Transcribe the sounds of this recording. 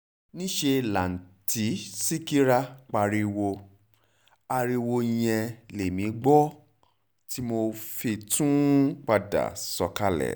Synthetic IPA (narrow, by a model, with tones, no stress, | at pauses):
nĩ˦ʃe˧la˨n̩˨ti˨˦si˦ki˦ɾa˦k͡pa˧ɾi˧wo˧ | a˧ɾi˧wo˧i˧j̃ɛ̃˧le˨mĩ˨˦ɡ͡bɔ˦ | ti˦mo˧fi˧tũ˦k͡pa˧da̰˨sɔ˧ka˧lɛ̰˨